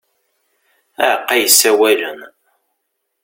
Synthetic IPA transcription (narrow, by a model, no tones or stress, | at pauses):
æʕəqːæjəsːæwælən